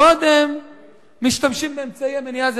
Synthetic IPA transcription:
o̞d̪emː | iʃt̪amʃimbeːmt͡saiamenijaz

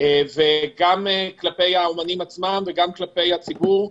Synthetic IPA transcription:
eveɡameklape̞jaomanimat͡smamveɡamklape̞jat͡sibuʁ

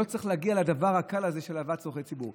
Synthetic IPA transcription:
o̞t͡sʁiχleaɡialad̪avaʁhakalazeʃelavat̪soχejt͡sibuʁ

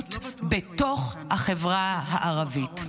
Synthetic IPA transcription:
tbeto̞χhaχevʁaɦaʔaʁavit

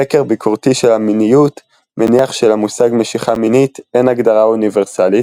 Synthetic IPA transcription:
ekeʁbikʰoʁt̪iʃelhaminijut̪ | meniaχʃelamusaɡme̞ʃiχaminit̪e̞naɡd̪aʁauniveʁsalit

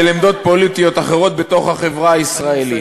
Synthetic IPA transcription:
elemd̪o̞t̪̚po̞lit̪ijo̞t̪aχe̞ʁo̞t̪̚be̞t̪o̞χhaχe̞vʁaaisʁae̞li

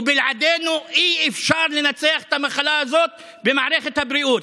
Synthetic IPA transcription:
bɪlʕad̪eːnuʔiːʔɪfʃɑːɾˤlɪnat̪seaxt̪amaxalaʔazoːt̪̚ | bɪmaʕɾaxt̪abɾɪʔuːt̪

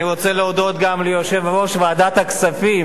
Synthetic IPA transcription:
iʁot͡seleod̪o̞t̪ɡamlijoʃevaʁo̞ʃvead̪at̪haksafim

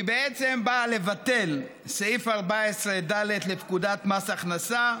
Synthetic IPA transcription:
ibeet͡se̞mbaːle̞vat̪e̞l | seifaʁbaesʁed̪ale̞d̪lepkud̪at̪masaχnasa

